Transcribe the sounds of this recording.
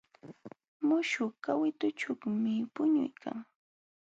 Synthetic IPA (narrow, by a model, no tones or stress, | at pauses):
mʊʃʊkawɪt̪ʊt͡ʃʊkmɪpʊɲʊ̰jkʰa̰ŋ